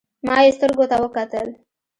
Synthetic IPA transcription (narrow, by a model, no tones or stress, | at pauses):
mɑjest̪əɾɡot̪awəkat̪əl